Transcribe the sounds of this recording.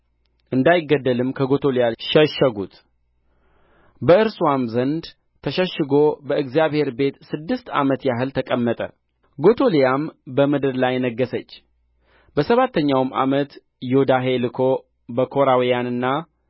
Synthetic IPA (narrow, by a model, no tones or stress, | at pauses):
ʔɨnd̪ajɪɡːəd̪ːəlɨmkʰəɡo̞t̪ʰolijaʃəʃːəɡut̪ | bəʔɨɾswamzənd̪ | t̪ʰəʃəʃːɨɡo̞bəɨɡzijaβhe̞ɾbe̞t̪sɨd̪ːɨst̪a̰mət̪jaɦɨlt̪ʰəkʼəmːət̪ʼə̰ | ɡo̞t̪ʰo̞lijambəmɨd̪ɨɾlajnəɡːəsət͡ʃː | bəsəβat̪ʰːəɲːawmʔa̰mət̪ | jod̪aɦe̞lɨkʰo̞ | bəkʰo̞ɾawijanɨnːa